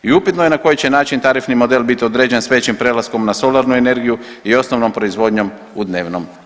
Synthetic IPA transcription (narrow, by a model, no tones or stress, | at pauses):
iupit̪nojenako̞jit͡ɕe̞naːt͡ʃint̪aɾifnimo̞d̪eːlbit̪io̞d̪ɾe̞d͡ʑe̞nsʋet͡ɕimpɾelasko̞mnaso̞laɾnue̞ne̞ɾɡiju | io̞sno̞ʋno̞mpɾoizʋo̞ːd̪ɲo̞m | ud̪ne̞ːʋno̞m